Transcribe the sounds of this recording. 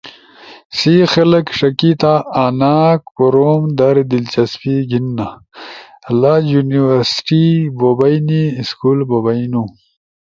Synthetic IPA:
sixɐlɐkʂɐkit̪aːnaːkkoɾomd̪aɾd̪ilt͡ɕɐspiɡinːa | lajuniwɐɾsʈibobɐjniskulbobajnu

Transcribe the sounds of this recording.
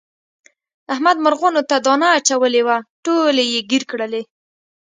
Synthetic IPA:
ahmad̪maɾɣonot̪ad̪ɔnaːt͡ʃawəlewaʈolejeɡiɾkɽəle

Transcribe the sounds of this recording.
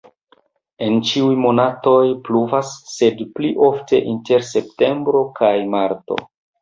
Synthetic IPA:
e̞nt͡ʃiujmo̞nato̞jpluvasːe̞dpliʔo̞fte̞̰ʔinte̞ɾse̞p̚te̞mbɾo̞kʰajmaɾto̞̰

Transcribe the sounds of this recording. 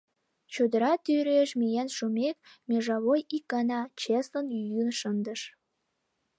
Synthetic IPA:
t͡ɕud̪əɾɑt̪yɾeʃmijænʃumek̚mʲeʒɑβojikːɑnɑt͡ɕeslənjyjynʃənd̪əʃ

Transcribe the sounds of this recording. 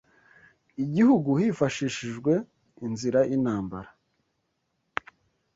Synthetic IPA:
iɟihuɡuhifaʃiʃiʒɡwe̞ | inziɾaʔinaːmbaɾa

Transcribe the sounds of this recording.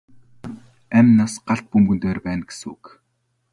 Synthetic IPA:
æmʲnaːsɢaɬt̪̚pɵmɡɵ̆nt̪eːrpæːnɡe̥sṵːk

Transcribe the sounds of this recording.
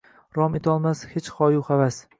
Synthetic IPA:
ɾɒmet̪ʰɒlˠmashet͡ʃχɒjuχavas

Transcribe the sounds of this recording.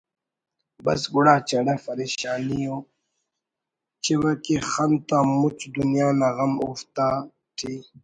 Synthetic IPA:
bɐ̰sɡuɽaːt͡ɕɐɽafɐɾeɕaːnijo | t͡ɕiwɐkixant̪amut͡ɕd̪unjaːnaɣɐmuft̪a | ʈʰi

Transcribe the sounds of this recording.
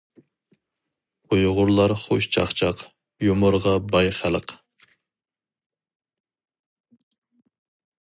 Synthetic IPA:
ojʁʊɾlˠɑɾχoʃt͡ʃʰɑ̰χt͡ʃʰɑq | jomʊɾʁɑbɑjχælˠəq

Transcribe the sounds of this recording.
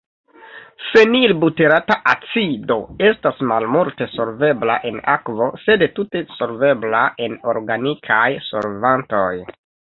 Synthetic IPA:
se̞nilbute̞ɾataʔat͡sido̞e̞stasmalmulte̞so̞ɾve̞bla̰ʔe̞na̰kvo̞se̞dtute̞so̞ɾve̞blaʔe̞no̞ɾɡanikʰajso̰ɾvanto̞j

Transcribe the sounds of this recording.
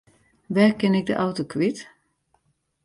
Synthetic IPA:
ʋɛrkɪnɪk̚də̰ʔawtokʋit

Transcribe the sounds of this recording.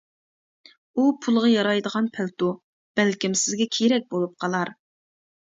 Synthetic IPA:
upʰulˠʁɑjɑɾɑjd̪əʁɑnpʰælt̪u | b̥ælkʲimsɪzɡʲɛkʲʰeɾɛk̚ʲbolˠup̚qʰɑlˠɑɾ

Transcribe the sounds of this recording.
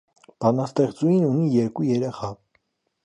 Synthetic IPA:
b̥ɑnɑst̪ɛʁt͡sujinunijɛɾkujɛɾɛχɑ

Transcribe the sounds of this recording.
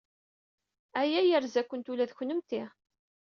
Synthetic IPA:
æjæjəɾzækʷːənt̪ulæðçnəmt̪ɪ

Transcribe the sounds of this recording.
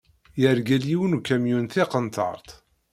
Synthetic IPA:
jəɾɡæljiwənukːæmjunθiqənt̪ɑ̰ɾˤt̪ˤ

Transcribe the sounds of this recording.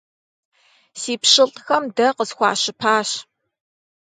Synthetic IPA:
siːpɕɪɬtʼxɐmdɐqəzxʷɑ̰ːɕɪpʰaːɕ

